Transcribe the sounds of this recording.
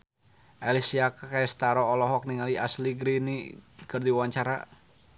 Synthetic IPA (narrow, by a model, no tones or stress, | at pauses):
ʔalisiakakast̪aɾɔːlɔɦɔk̚niŋaliasliɡɾinikɨrdiwaɲt͡ʃaɾa